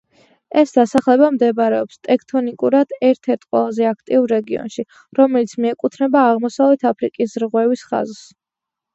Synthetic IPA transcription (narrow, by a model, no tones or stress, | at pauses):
ɛsd̪̥asaχlɛbamd̪ɛbaɾɛɔpst̪ʼɛkʰt̪ʰɔnikʼuɾad̪̥ɛɾt̪ʰɛɾt̪ʰqʼwɛ̰lˠazɛakʰt̪ʼiuɾːɛɡiɔ̰nʃi | ɾɔmɛlit̪sʰmiɛkʼut̪ʰnɛbaːʁmɔsavlɛt̪ʰapʰɾikʼisɾʁwɛvisχa̰zs